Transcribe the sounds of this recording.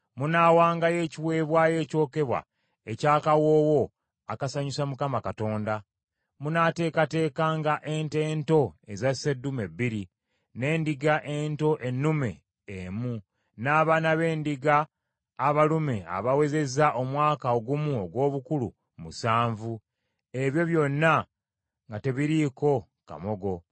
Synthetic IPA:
munaːwaːŋɡaje̞ːciwe̞ːβwaje̞ːco̞ːke̞βwa̰ | e̞caːkawo̞ːwo̞ | akasaɲusamukamakato̞ːnda | munate̞ːkate̞ːkaːŋɡaʔente̞ːnto̞e̞zasedume̞bːiɾi | ne̞ːndiɡaʔe̞nto̞ʔe̞nːume̞̰ː | mu | naːβaːnaβe̞ːndiɡaː | βalume̞a̰βawe̞ze̞zaʔo̞mwaːkaoɡumuo̞ɡwo̞ːβukulṵ | musaːɱvu | e̞βjo̞βjo̞nːa | ŋɡate̞βiɾiko̞ | ka̰mo̞ɡo̞

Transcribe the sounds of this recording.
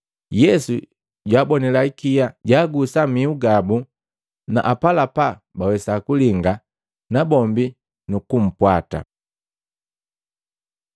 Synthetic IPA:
jɛsu | ɟwaːbɔnɛlaikijaɟaːɡusamiuɡabu | na̰ʔapalapabawɛsakuliŋɡa | nabɔmbi | nukum̩pwata̰

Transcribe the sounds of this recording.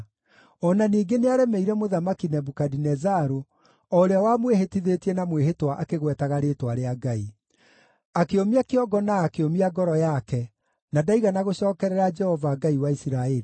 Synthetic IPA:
ɔnaniːɡeneaɾɛmɛiɾɛmoðamakinɛbukadinɛzaɾo | ɔɾeawamweɦetiðetiɛnamwehetwaʔakeɣwɛtaɣaɾetwaɾeaɡai | akeomiakeɔɡɔnaːkeomiaɡɔɾɔjakɛ | nadaiɣanaɣoɕɔːkɛɾɛɾad͡ʒɛhɔvaɡaiwaisiɾaɛɾi

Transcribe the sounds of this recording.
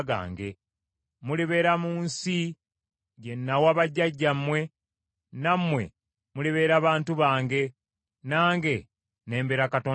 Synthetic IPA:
ɡa̰ːŋɡe̞̰ | muliβe̞ːɾamuːnsi | ɟenːawaβaɟːaɟːamwe̞ | namwe̞̰ | muliβe̞ːɾaβaːntuβaːŋɡe̞ | naːŋɡe̞ | ne̞ːmbeːɾakatoː

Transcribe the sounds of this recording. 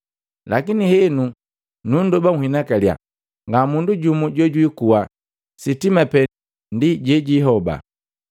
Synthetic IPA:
lakinihɛnu | nundɔbaŋ̩hinakalja̰ | ŋɡamunduɟumuɟɔɟwikuwa | sitimapɛ | ndiɟɛɟiɦɔba̰

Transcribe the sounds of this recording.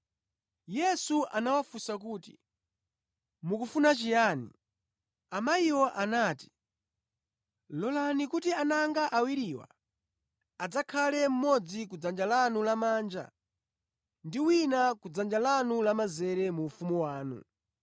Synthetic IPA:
jɛsuʔanawafusakuːti̥̰ | mukufunat͡ʃijanḭ | amaiwɔʔanaːti̥ | lɔlanikutianaŋɡaʔawiɾiwa̰ | ad͡zakʰalɛm̩mɔd͡zik̬ud͡zand͡ʒalanulamaːnd͡ʒa̰ | ndiwinakud͡zand͡ʒalanulamazɛɾɛmuːfumuwaːnṵ

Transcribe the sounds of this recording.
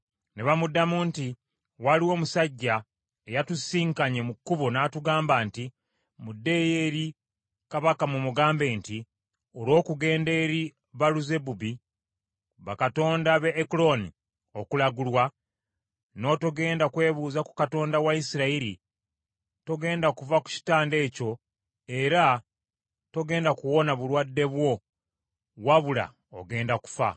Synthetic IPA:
neβamudːamunti | waliwo̞ːmusaɟːa | ejatusiːŋkaɲe̞mukːuβo̞naːtuɡaːmbanti | mudːe̞jeɾi | kaβakamumuɡaːmbe̞ːnti | olo̞ːkuɡe̞ːnde̞ɾi | βaluze̞bubi | βa̰kato̞ːndaβe̞ːklo̞nḭ | okulaɡulwa | no̞to̞ɡe̞ːndakwe̞ːβuːzaku̥kato̞ːndawaisiɾaiɾi | to̞ɡe̞ːndakuvaku̥ci̥taːnde̞ːco̞ | e̞ɾa | to̞ɡe̞ːndakuwo̞naβulwadːe̞βwo̞ | waβula̰ | o̰ɡe̞ːndaku̥fa̰

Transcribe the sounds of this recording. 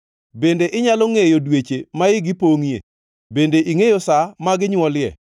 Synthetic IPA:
bendeʔɪɲalɔŋejodwet͡ʃemaɪɡɪpoŋjḛ | bendeʔiŋejɔsamaɡɪɲwɔljɛ̰

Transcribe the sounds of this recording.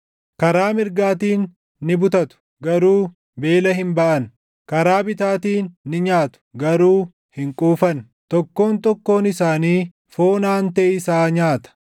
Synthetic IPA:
kɐɾaːmɪɾɡaːt̪iːnː | ɪbʊt̪ɐt̪ʊ̥ | ɡɐɾuː | be̞ːlɐɦɪmbɐʔɐn | kɐɾaːbɪt̪aːt̪iːnːɪɲaːt̪ʊ̥ɡɐɾuː | hɪŋkʼuːfɐn | t̪ɔkːo̞ːnt̪ɔkːo̞ːnɪsaːniː | fo̞ːnaːnt̪eːɪsaːɲaːt̪ɐ̥

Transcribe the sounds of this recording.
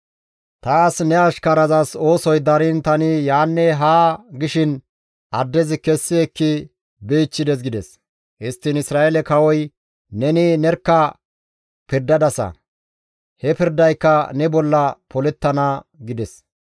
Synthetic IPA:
t̪aːsnɛɐʃkɐɾɐzɐso̞ːsɔjd̪ɐɾɪnt̪ɐnɪjaːnːɛɦaːɡɪʃɪn | ʔɐd̪ːɛzɪkɛsːɪɛkːɪ | beːt͡ʃːɪd̪ɛs̬ɡɪd̪ɛs | ʔɪst̪ːɪnɪsɾaːɛlɛkɐwɔj | nɛnɪnɛɾkːɐ | pɪɾd̪ɐd̪ɐsɐ̰ | hɛpɪɾd̪ɐjkːɐnɛbɔlːɐpɔlɛt̪ːɐnɐɡɪd̪ɛs

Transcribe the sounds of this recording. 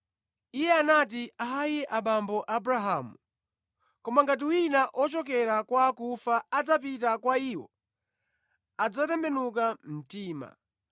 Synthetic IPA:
ijɛanat̬iaɦajɛʔaɓambɔʔabuɾaɦaːmu | kɔmaŋɡat̬iwinaʔɔt͡ʃɔk̬ɛɾakwakufaad͡zap̬itakwaiːwɔ̰ | ad͡zatɛmbɛnukam̩tiːma̰

